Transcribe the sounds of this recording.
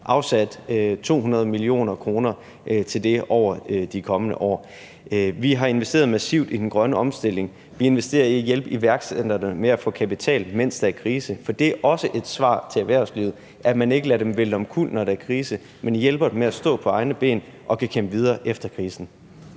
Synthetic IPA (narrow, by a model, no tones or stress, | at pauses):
ʔɑ̈ʊsæd̥t͡sʰo̝̰ːɦunɐð̞ˠmilio̝̰ːnɐkʰʁo̝ːnɐ | ʔt͡sʰe̝ld̥e̝ɒʊ̰ɐd̥ikʰɒ̽mənəʔɒ̰ː | ʋiɦɑ̈e̝nʋesd̥e̝̰ːɐð̞ˠmæsiʊd̥id̥en̩ɡ̥ʁɶnəɒ̽msd̥e̝l̰e̝ŋ | ʋie̝nʋesd̥e̝̰ːɐiæjelb̥iʋæɐɡ̥sed̥ɐnəmeæfɔ̰̽ːkʰæpit͡sʰɛ̰ːlmen̰sd̥ææɐkʰʁiːsəfɒ̽d̥e̝æɐʔɒ̽səʔe̝d̥sʋɑ̰̈ːt͡sʰe̝læʋæɐʊsliːð̩ˠ | ʔæmæne̝ɡ̥əlæɾemʋelɒ̽mkʰṵl̰nɒɾ̥eæɐkʰʁiːsə | menjelb̥ɐd̥emeæsd̥ɔ̰̽ːpʰɒ̽ɑ̈ɪnəb̥e̝̰ːn | ʔɒ̽kʰækʰembʋið̞ˠɐːʔefd̥ɐkʰʁiːsn̩